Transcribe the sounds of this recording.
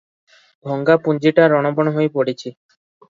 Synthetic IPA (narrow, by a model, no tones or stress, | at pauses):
bʱɔŋɡapund͡ʒiʈaɾɔɽ̃ɔbɔɽ̃ɔɦojpoɽit͡ʃʰi